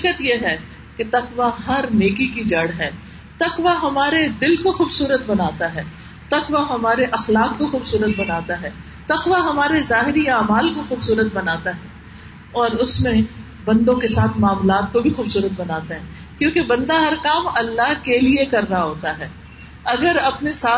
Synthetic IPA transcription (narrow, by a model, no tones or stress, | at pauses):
kət̪jeɦɛː | ket̪ɐqʋaɦɐɾneːkikid͡ʒɐɽɦɛː | t̪ɐqʋaɦɐmaːɾed̪ɪlkoxuːbsuːɾət̪̚bɐnaːt̪aɦɛː | t̪ɐqʋaɦɐmaːɾeʔɐxlaːqkoxuːbsuːɾət̪̚bɐnaːt̪aɦɛː | t̪ɐqʋaɦɐmaːɾezaːɦɪɾiaːmaːlkoxuːbsuːɾət̪̚bɐnaːt̪aɦɛː | ɔːɾʊsmẽ | bɐ̃nd̪õkesaːt̪ʰmaːmlaːt̪̚kobʱixuːbsuːɾət̪̚bɐnaːt̪aɦɛː | kjõːkebɐ̃nd̪aɦɐɾkaːmɐlːaɦkeliekɐɾːaɦoːt̪aɦɛː | ɐɡəɾɐpnesaː